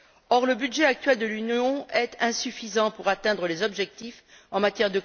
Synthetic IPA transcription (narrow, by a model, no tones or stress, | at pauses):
ɔʁləbyd̪ʒeak̚t̪ɥɛld̪əlynjɔ̃ɛt̪ʰɛ̃syfizɑ̃puʁat̪ɛ̃d̪ʁəlezɔbʒɛk̚t̪if | ɑ̃mat̪jɛʁd̪ə